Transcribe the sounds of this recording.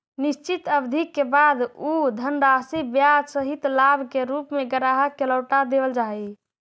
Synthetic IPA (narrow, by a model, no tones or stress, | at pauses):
nist͡ʃit̪əbd̪ʱikːebad̪ud̪ʱənɾasibjad͡ʒsəɦit̪labʱkeɾupmeɡəɾaɦəkːeləʊʈad̪ebəld͡ʒaj